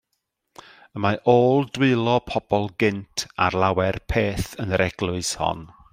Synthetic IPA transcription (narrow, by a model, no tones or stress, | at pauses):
əmaʔoːlˠdwɨlˠɔpʰɔb̥ɔlˠɡɪntʰa̰rlˠawɛrpʰeːθənəɾɛɡlˠʊɨshɔ̰n